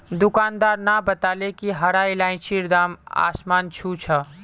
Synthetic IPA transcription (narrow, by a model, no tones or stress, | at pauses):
d̪ukaːnd̪aːɾnabət̪alekiɦəɾailãːĩt͡ʃʰiɾd̪aːma̰ːsmaːnt͡ʃʰut͡ʃʰə